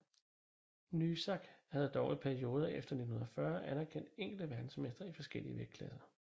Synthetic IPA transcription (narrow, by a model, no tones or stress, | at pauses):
nysɑ̈ɡ̥hæð̞̩ˠd̥ɒʊipʰæɐio̝ːð̞ˠɐefd̥ɐne̝d̥n̩hun̩ˠɒfɶɐʔænæɐkʰen̰d̥eŋ̰ɡ̥l̩d̥əʋæɐd̥n̩smesd̥ʁɐifɒ̽sɡ̥el̰iəʋeɡ̥̚kʰlɛ̰ːðˠɐ